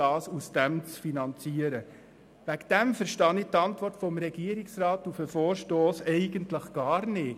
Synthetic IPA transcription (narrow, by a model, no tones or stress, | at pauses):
ɑːsusd̥ɛmt͡sfinɑnt͡siəɾə | ʋækd̥ɛmfəɾʃtɑnɪtɑntʋɔɾrtfɔmɾɛɡ̥iəɾɪksɾɑːt̪ufəfoːɾʃtoːsɛɪɡəntləχɡ̥ɑːɾnɪː